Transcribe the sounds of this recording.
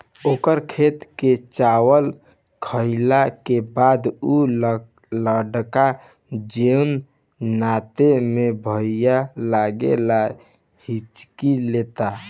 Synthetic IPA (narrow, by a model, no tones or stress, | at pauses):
okəɾkʰet̪ket͡ʃawəl | kʰəɪlakebad̪u | ləɖka | d͡ʒen | nat̪emebʱəjalaɡḛla | hit͡ʃkilet̪a